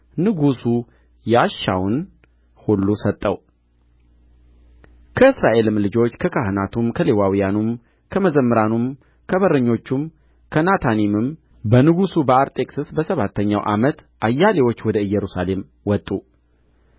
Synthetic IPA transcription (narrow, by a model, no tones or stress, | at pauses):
nɨɡusu | jaʃːa̰wn | hulːusət̪ʼːəw | kʰəɨsɾaʔe̞lɨmlɨd͡ʒo̞t͡ʃːkʰəkʰahɨnat̪ʰumkʰəle̞wawijanum | kʰəməzəmːəɾanum | kʰəβəɾəɲːo̞t͡ʃːum | kʰənat̪ʰanimɨm | bənɨɡusubəaɾt̪ʼe̞kʼsɨsbəsəβat̪ʰːəɲːa̰wʔa̰mət̪ʔajːalewo̞t͡ʃːwɔd̪əɨjːɛɾusale̞m | wɔt̪ʼːu